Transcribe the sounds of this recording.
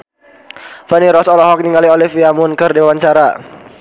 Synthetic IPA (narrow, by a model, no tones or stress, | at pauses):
faniɾɔsɔlɔɦɔk̚niŋaliɔlifjamʊnkɨrdewaɲt͡ʃaɾa